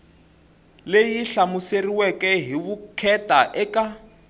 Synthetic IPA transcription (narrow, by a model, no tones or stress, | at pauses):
lejiɬamuseriwɛkʼɛɦiβukʰɛtʼaʔɛka